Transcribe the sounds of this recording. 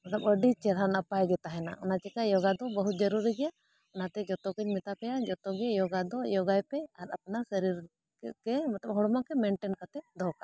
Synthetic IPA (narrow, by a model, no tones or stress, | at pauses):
mɐt̪ləbəɖit͡ʃɛɾɦanəpajɡɛt̪aɦɛna̰ʔɔnat͡ʃɛkajɔɡad̪ɔbəɦut̪̚d͡ʒəɾuɾiɡɛja | ɔnat̪ɛd͡ʒɔt̪ɔkəɲmɛt̪apɛjad͡ʒɔt̪ɔɡɛjɔɡad̪ɔjɔɡajpɛaɾəpnasəɾiɾ | kɛmɛt̪ləb̚ɦɔɽmɔkɛmɛɳʈɛnkat̪ɛd̪ʱɔka